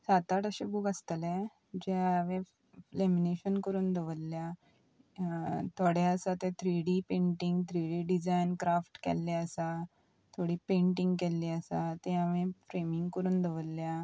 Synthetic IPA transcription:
sat̪aʈəɕebuɡəst̪əlɛ̃ | d͡ʑeaʋẽ | flemineɕənkəɾuːnd̪ʱəʋəlːja | t̪ʰoɽaəsat̪ẽt̪ʰɾiɽipẽɳʈiŋɡt̪ɾiɽiɖid͡zajnkɾafʈkɛ̰lːeəsa | t̪ʰoɽiːpẽɳʈiŋɡkɛlːiəsat̪ẽaʋẽfɾemiŋɡkəɾuːnd̪ʱəʋəlːja

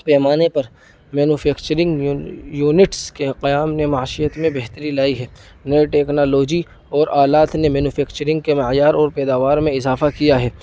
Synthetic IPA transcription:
pɛːmaːnepɐɾ | mɛːnufʰɛːkt͡ʃəɾɪ̃ŋɡjuːnɪʈskeqɐjaːmnemaːʃɪjət̪mẽbɛɦt̪əɾilaːiɦɛː | neʈɛːknaːloːd͡ʒi | ɔːɾaːlaːt̪nemɛːnuːfʰɛːkt͡ʃəɾɪ̃ŋɡ̚kemɪɦjaːɾɔːɾpɛːd̪aːʋaːɾmẽɪzaːfakijaɦɛː

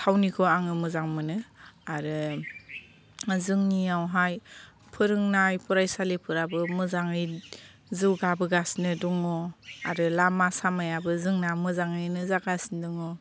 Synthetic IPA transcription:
tʰawnikʰɔaŋɯmɯzaŋmɯnɯaɾɯ | zɯŋniawɦaj | pʰɯɾɯŋnajpʰɔɾajsalipʰɯɾabɯmɯzaŋɯj | zɯwɡabɯɡasnɯdɔŋɔa̰ɾɯlamasamajabɯzɯŋnamɯzaŋɯjnɯzaɡasndɯŋɔ

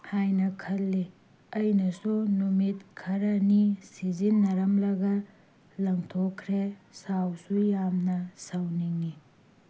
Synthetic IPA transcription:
hajnɐkʰɐlːi | ɐjnɐsunumit̚kʰɐɾɐnisizinːɐɾɐmlɐɡɐ | lɐŋtʰokʰːɾesawsujamnɐsawniŋi

